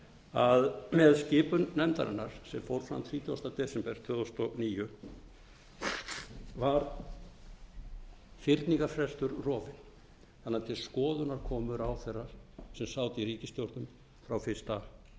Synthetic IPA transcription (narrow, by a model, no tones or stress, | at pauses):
aðmɛðscɪːpʏnːɛmt̪a̰ɾɪ̰nːaɾ̥sɛmfowɾ̥fɾa̰mt̪ʰɾiːt̪ʰjuast̪at̪ɛːsɛmpɛɾ̥t̪ʰœːðawst̪ɔniːjʏ | vaɾ | fɪɾt̪niŋkaɾfɾɛst̪ʏɾrɔːvɪn | θanːat̪ʰɪlskɔːðʏnaɾ̥kʰɔːmʏɾawθɛrːaɾ̥sɛmsaːwt̪ɪiɾiːcɪst̪jowɾt̪nʏm | fɾawfɪ̥st̪a